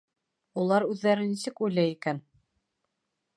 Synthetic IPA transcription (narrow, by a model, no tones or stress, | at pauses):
ulˠɑɾʉðːæɾɘnisɘkujlæjikæn